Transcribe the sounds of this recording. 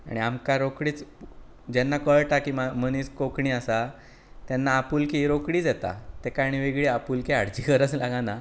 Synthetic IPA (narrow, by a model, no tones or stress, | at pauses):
a̰ɽ̃iamkaɾokɽiːt͡s | d͡ʑɛnːakəɭʈakimaməniːskokɳiːasa | t̪ɛnːaːpulkiɾokɽiːd͡zɛt̪a̰t̪ekaɽ̃iʋeɡɭiapulkiaɽt͡ɕiːkəɾət͡slaɡana